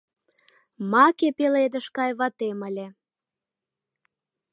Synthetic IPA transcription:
mɑkepeled̪əʃkɑjβɑt̪eməlʲe

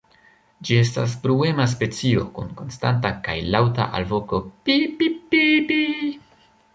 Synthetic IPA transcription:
d͡ʒie̞s̬ta̰s̬pɾue̞mas̬pe̞t͡sio̞̰kunko̞nstantaka̰jlawta̰ʔa̰lvo̞ko̞pipipipi

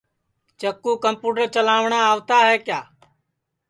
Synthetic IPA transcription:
t͡ʃəkːuːkəmpuːʈəɾt͡ʃəlaːʋɳaːaːʋt̪aːɦɛːkjaː

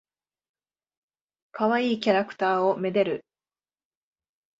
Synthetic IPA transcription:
kaβaiːkʲaɾakɯ̟̥t̪aːo̞me̞d̪eɾɯ̟

